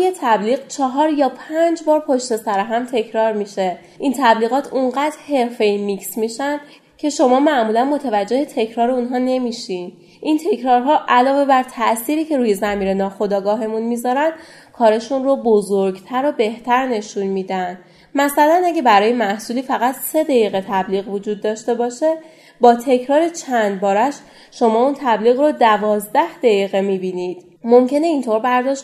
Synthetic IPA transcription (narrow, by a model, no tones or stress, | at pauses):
jet̪ʰæbliːɣt͡ʃʰɒɦɒːɾjɒːpʰænd͡ʒbɒːɾpʰo̞ʃt̪e̞sæɾeɦæmt̪ʰe̞cʰɾɒːɾmiːʃe̞ | ʔint̪ʰæbliːɣɒːt̪ʰuɴɢæːd̪ɾhe̞ɾfe̞jmicsmiʃænd̪ | cʰe̞ʃo̞mɒːmæʔmuːlænmo̞t̪ʰævæd͡ʒːe̞het̪ʰe̞cʰɾɒːɾeunɦɒne̞miːʃin | ʔint̪ʰe̞cʰɾɒːɾɦɒːʔælɒːve̞bæɾt̪ʰæʔsiːɾiːcʰe̞ɾuːje̞zæmiːɾe̞nɒːxo̞d̪ɒːɡɒːɦe̞munmizɒɾænd̪̥ | kʰɒːɾeʃunrobozoɾɡt̪ʰæɾobe̞ht̪ʰæɾne̞ʃunmiːd̪ænd̪̥ | mæsælænæɟæbæɾɒːje̞mæhsuːliːfæɣæt̪se̞d̪æjiːɣet̪ʰæbliːɣvo̞d͡ʒuːd̪̚ːɒːʃt̪e̞bɒːʃe̞ | bɒːt̪ʰe̞cʰɾɒːɾe̞t͡ʃʰænd̪̚bɒːɾæʃ | ʃo̞mɒːunt̪ʰæbliːɣrod̪ævɒːzd̪æhd̪̥ejiɣemibiːniːd̪̥ | momcʰe̞ne̞int̪ʰo̞ɾbæɾd̪ɒʃ